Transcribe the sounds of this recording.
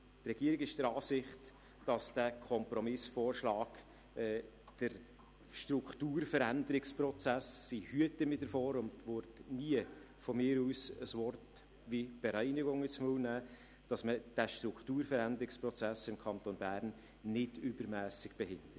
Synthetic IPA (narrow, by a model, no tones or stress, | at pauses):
trɛɡ̥iəɾɪɡɪʃd̥əɾɑːsɪχt | d̥ɑsd̥ækʰɔmpɾɔmɪsfoːɾʃlɑːk | ɛ | d̥əɾ | ʃtɾʊkχtuːrfəɾændəɾɪksprɔt͡sæsːihyətəmɪdəɾfoːɾʊntʋʊɾtniə | fɔmɪːɾuːsəsʋɔrt | ʋib̥ɛɾæɪnɪɡʊŋət͡smuwnæː | d̥ɑsməd̥æʃtɾʊkχtuːɾfəɾænd̪əɾɪkspɾɔt͡sæsɪmkʰɑnt̪onbæːɾn | nɪdʏbəɾmæːsɪɡ̥b̥ɛhɪnd̥̪ɾ